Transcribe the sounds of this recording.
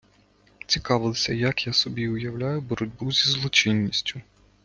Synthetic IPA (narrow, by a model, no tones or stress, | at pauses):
t͡sʲikɑʋɪlˠɔsʲɐjɐkjasɔbʲiʊjɐwlʲajʊbɔɾɔdʲbuzʲizlˠɔt͡ʃinʲːisʲtʲʰʊ